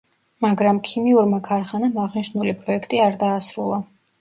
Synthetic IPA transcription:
maɡɾamkʰimiuɾmakʰaɾχanamaʁniʃnulipʼɾɔɛkʰt̪ʼiaɾd̪aːsɾulˠa

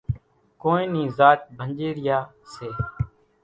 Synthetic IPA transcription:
koːnĩːnĩːzaːʈ̚bʱənd͡ʒeːɾɪjaː | seː

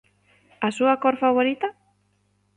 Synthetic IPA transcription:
asuakoɾfaβ̞oɾit̪a

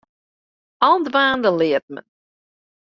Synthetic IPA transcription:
andvaːndəliət̚mə̰n

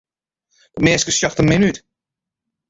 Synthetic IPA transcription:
ʋɔtmɛːskəsjɔxtəmɪnyt

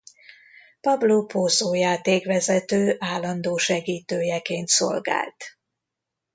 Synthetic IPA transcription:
pɒbloːpoːzoːjaːt̪eːkʋɛzɛt̪øːʔaːlːɒnd̪oːʃɛɡiːt̪øːjɛkeːnt̪so̞̰lɡa̰ːlt̪

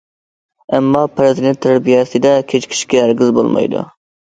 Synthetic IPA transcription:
ɛmːɑpʰɾɪzɨd̪ent̪ʰːɾbijɛsɨd̪ɛkʲʰet͡ʃkʲʰi̥ʃkʲɛæɾɡʲɪzbo̰lˠmɑ̰jd̪ṵ

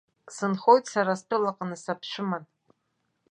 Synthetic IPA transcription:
sɨnχo̞jtʰʼsaɾastʷʰɨlaqʼanɨsapʰʃʷɪman

